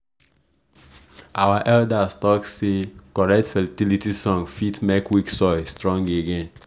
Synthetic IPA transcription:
ʔawaʔɛldastɔksekɔɹɛktfɛltilitisɔ̃ŋfitmekwiksɔjstɹɔ̃ŋɡeɡɛ̃n

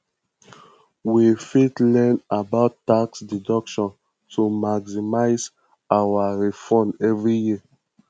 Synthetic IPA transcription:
wifitlɛ̃nabaʊtːaksdidɔkʃɔ̃n | tʰumaɡzimaɪz | awaɹifɔ̃nɛvɹijiə

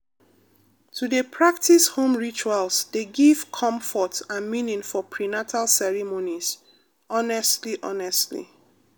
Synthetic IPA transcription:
tʰudepʰɹak̚tishõmɹit͡ʃualsdeɡiv̥kʰɔ̃mfɔtãnmĩnĩŋfɔpʰɹinatʰalsɛɹimoniz | ɔnɛstliʔɔ̰nɛstlḭ

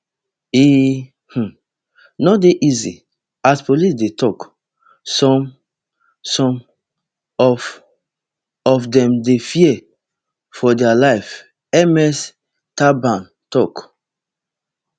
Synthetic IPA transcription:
i | h̩ | nodeʔizḭ | aspolisdetɔk | sɔ̃m | sɔ̃m | ɔf | ɔfdɛ̃mdefiɛ | fɔdɛalaɪf | ɛmɛs | tabãn | tɔk

